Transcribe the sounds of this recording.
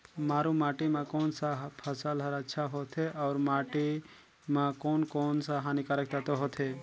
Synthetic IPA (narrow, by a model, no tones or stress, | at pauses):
maːɾumaːʈimãkoːnsapʰəsəlɦəɾətːʃʰaɦot̪ʰeʔɔːɾmaːʈi | mãkoːnkoːnsaɦaːnikaɾək̚t̪at̪oɦot̪ʰe